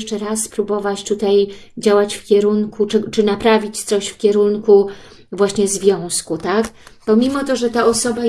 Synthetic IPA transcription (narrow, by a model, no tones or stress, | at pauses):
ʂt͡ʂɛɾaspɾubɔvat͡ɕt̪ut̪ajd͡ʑawat͡ɕfkʲɛɾuŋkʰut͡ʂɘt͡ʂɘnapɾavʲit͡ɕt̪sɔɕfkʲɛɾunku | vwaɕɲɛzvʲjɔ̃w̃skut̪akpɔmʲimɔt̪ɔʐɛt̪aɔsɔba